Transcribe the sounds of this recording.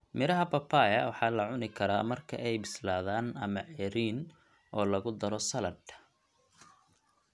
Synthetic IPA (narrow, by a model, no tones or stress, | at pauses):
mɪɾɐɦɐpɐpʰaːjɐwɑħɑːlɐʕʊnɪkʰɐɾa̰ːmɐrkʰɐ̰ʔɛjbɪslaːðaːnɐmɐʕɛɾiːn | ʔɔːlɐɣʊd̪ɐɾɔsɐlɐd̪